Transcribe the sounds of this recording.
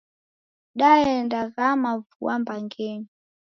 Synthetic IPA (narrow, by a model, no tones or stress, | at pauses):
ɗaɛndaɣamavṵambaŋɡɛni